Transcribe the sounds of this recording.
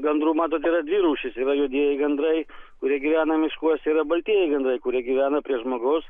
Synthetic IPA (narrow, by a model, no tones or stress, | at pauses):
ɡɐnd̪ɾuːmɑːt̪oːt̪iːɾɐd̪ʲʋʲiɾuːʃʲɪsiːɾɐjʊd̪ʲiɛjɛɪɡɐnd̪ɾɐɪkʊɾʲiɛɡʲiʋʲæːnɐmʲɪʃkuɔsiːɾɐbɐlʲt̪ʲiɛjɛɪɡɐnd̪ɾɐɪkʊɾʲiɛɡʲiːʋʲæːnɐpʲɾʲiɛʒmoːɡɐʊs